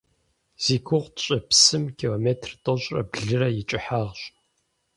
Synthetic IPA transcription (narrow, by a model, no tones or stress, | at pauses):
z̥iːkʷʰʊʁʷɕʼɐpsɨmkʰiloːmeːtʰrtʼɐɕʼrɐ̰bɮɨrɐjɪt͡ʃʼɪħaːʁɕʼ